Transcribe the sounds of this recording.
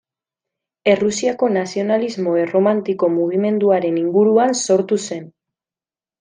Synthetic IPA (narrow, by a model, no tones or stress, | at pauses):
e̞rusiako̞nasio̞nalizmo̞ero̞mant̪iko̞muɣ̞ime̞nd̪uaɾe̞niŋɡuɾuanso̞ɾt̪use̞n